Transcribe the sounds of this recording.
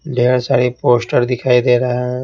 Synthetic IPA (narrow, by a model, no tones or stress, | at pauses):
ɖʱeːɾsaːɾipoːsʈəɾd̪ɪkʰaːid̪eːɾaɛ̃